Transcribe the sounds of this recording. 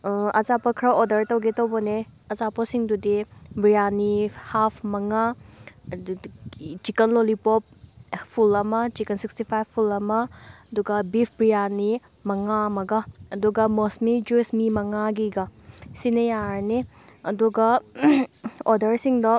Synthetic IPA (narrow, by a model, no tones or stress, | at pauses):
ɐzapɐkʰɾɐodɐɾtɐwɡetɐwbɔneɐzapɐsiŋdudibɾijanihapʰmɐŋa | t͡ʃikɐnlolipop̚pʰulɐmɐt͡ʃikɐnsikstipʰajbpʰːulɐmɐɐduɡɐbipʰbɾijani | mɐŋamɐɡɐːduɡɐmosmid͡ʒusmimɐŋaɡiɡɐsinejaɾne | ɐduɡɐ | odɐɾsiŋdɐ